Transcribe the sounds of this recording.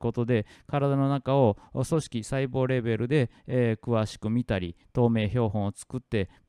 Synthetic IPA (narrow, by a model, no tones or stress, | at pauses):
ko̞t̪o̞d̪e̞kaɾad̪ano̞nakao̞so̞ɕi̥kʲisaibo̞ːɾe̞be̞ɾɯ̟d̪e̞ | kɯ̟βaɕi̥kɯ̟mʲit̪aɾʲit̪o̞ːme̞ːço̞ːɦõ̞ɰ̃ot͡sɨ̥kɯ̟t̪ːe̞